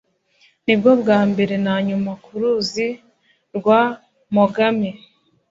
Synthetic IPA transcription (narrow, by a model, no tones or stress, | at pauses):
nibɡo̞bɡaːmbe̞ɾe̞naɲumakuɾuzi | ɾɡwa | maɡami